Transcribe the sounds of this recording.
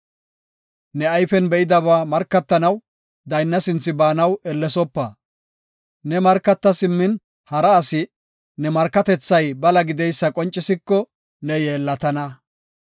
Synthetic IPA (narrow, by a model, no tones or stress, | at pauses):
nɛɐjfɛnbɛʔɪd̪ɐβaːmɐɾkːɐt̪ːɐnɐw | d̪ɐjnːɐsɪnt͡sːɪbaːnɐwɛlːɛsɔpːɐ | nɛmɐɾkːɐt̪ːɐsɪmːɪn | hɐɾɐːsɪ | nɛmɐɾkːɐt̪ɛt͡sːɐjbɐlɐɡɪd̪ɛjsːɐkʼɔnt͡ʃʼːɪsɪkːɔ | nɛjeːlːɐt̪ɐnɐ